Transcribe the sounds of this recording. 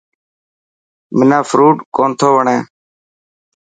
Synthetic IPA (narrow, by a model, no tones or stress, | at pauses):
mɪnãːfɾuːʈkoːnt̪ʰoːʋəɳẽː